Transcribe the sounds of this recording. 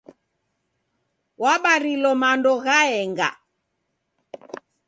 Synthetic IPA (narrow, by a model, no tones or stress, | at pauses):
waɓaɾilɔmandɔɣaɛŋɡa̰